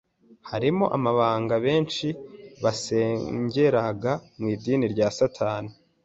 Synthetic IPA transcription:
haɾimo̞ʔa̰maβaːŋɡaβe̞ːnt͡ʃiβase̞ːɲɟe̞ɾaɡamŋiːdiːniɾɟaːsatʰaːni

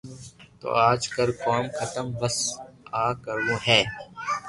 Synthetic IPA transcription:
t̪o̰ːaːd͡ʒkəɾkaːmxət̪əmbəsaːkəɾwõːɦɛː

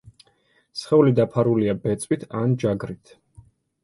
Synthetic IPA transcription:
sχɛulid̪apʰaɾuliabɛt̪sʼwit̪ʰand͡ʒaɡɾit̪ʰ

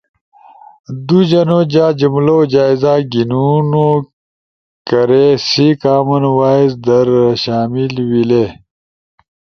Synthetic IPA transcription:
d̪ud͡ʑɐnod͡ʑaːd͡ʑumlod͡ʑaːizaːɡinuno | kɐɾesikaːmɐnwaːizd̪ɐɾɕaːmilwileː

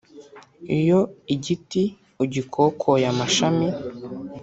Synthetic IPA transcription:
ḭjoiɟiti | uɟikʰokʰojamaʃami

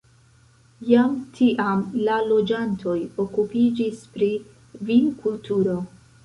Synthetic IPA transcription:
jamtʰiʔamlalo̞d͡ʒantʰo̞jo̞kupid͡ʒispɾi | vinkultʰuɾo̞

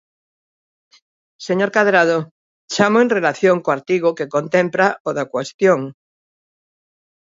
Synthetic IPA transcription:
seɲoɾkaðɾað̞o | t͡ʃamoenrelaθjoŋkoaɾt̪iɣ̞okekont̪ẽmplaoðakwest̪joŋ

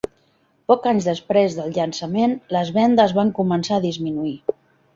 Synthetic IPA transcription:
pɔkaɲzðəspɾezðəlˠʎənsəmenləzβɛnd̪əzβaŋkumənsaəðizminui

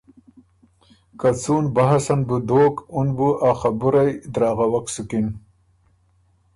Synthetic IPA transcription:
kat͡suːnbaɦasanbud̪oːkunbuʔaχabuɾajd̪ɾɑːɣawaksukin

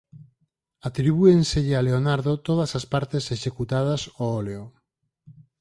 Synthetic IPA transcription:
at̪ɾiβ̞uenseʎɪaleonaɾðot̪oð̞ɐsaspaɾt̪eseʃekut̪að̞ɐsooleo

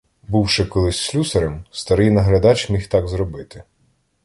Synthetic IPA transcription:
buwʃɪkɔlˠɪsʲsʲlʲusɐɾɛmst̪ɐɾɪjnɐɦɾɐd̪ɑt͡ʃʲmʲixt̪ɑɡzɾɔbɪt̪ɪ̥

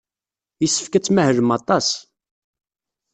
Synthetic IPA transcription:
jəsːə̥fkæt͡sːmæhəɾəmɑt̪ˤɑs

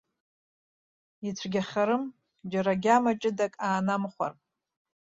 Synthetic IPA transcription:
it͡sʷʰɡʲaχʲaɾɨm | d͡ʒaɾaɡʲamat͡ʃʼɪdakʼaːnamχʷa̰r

